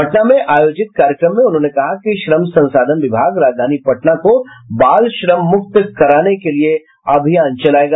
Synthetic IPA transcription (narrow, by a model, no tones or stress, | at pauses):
pɐʈnamẽʔaːjoːd͡ʒɪt̪̚kaːɾjəkɾəmːẽʊnɦõːnekɐɦakiʃɾəmsɐ̃nsaːd̪ʱənʋɪbʱaːɡɾaːd͡ʒd̪ʱaːnipɐʈnakobaːlʃɾəmːʊk̚t̪kɐɾaːnekelie | ɐbʱijãːnt͡ʃɐlaːeːɡaː